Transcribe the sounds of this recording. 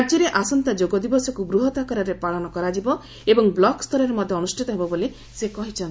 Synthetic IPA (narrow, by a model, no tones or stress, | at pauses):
ɾd͡ʒɔɾeʔasɔnt̪ad͡ʒoɡɔd̪ibɔsɔkubɾuɦɔt̪akɔɾɔɾepaɭɔnɔkɔɾad͡ʒibɔ | ebɔŋblɔkst̪ʰɔɾeɾemɔd̪ʱjeɔnusʈʰit̪ɔɦebɔbole | sekɔɦit͡ʃʰɔn